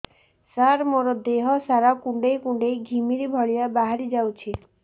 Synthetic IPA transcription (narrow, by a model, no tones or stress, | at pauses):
saɾmoɾɔd̪eɦɔsaɾakuɳɖejkuɳɖejɡʱimiɾibʱɔɭijabaɦaɾid͡ʒawt͡ʃʰi